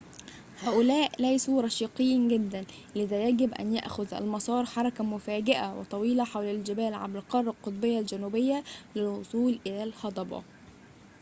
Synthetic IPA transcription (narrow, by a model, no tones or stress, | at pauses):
hæːʔʊlæːʔlæjsuɾˤɑʃiːqejːinɡɪd̪ːæn | lɪðæjæɡɪbʔæ̰nja̰ʔxʊðʔæ̰lmɑsˤɑːɾˤħɑɾˤɑkamʊfæːɡɪʔawɪ̰t̪ˤɑwiːlæħawlæld͡ʒɪbæːlʕa̰bɾɪqɑrˤːɑlqot̪ˤbɪjːald͡ʒænuːbɪjːælɪlwosˤuːlʔɪlæːlhɑd̪ˤɑbɑ̰